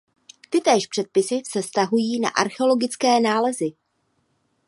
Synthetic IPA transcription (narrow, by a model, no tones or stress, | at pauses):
t̪ɪt̪ɛːʃpr̥ɛt̪̚pɪsɪfsɛfst̪aɦujiːna̰ʔaɾxɛolo̞ɡɪt͡skɛːnaːlɛzɪ